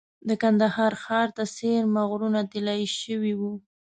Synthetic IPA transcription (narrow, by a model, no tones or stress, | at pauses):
d̪əkand̪ahɑɾxɑɾt̪aseɾmaɣɾunat̪elajʃəwiwu